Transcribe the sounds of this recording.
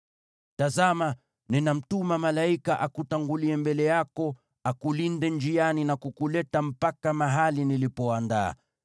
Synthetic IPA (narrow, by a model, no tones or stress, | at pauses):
tazama | ninam̩tumamalaikaʔakutaŋɡuliɛmbɛlɛjakɔ | akulindɛnd͡ʒianinakukulɛtam̩pakamaɦalinilipɔanda̰ː